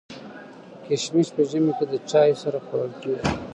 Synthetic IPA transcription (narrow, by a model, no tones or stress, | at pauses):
keʃmispəʒəmeked̪ət͡ʃɑjsaɾaxaɽəlkewi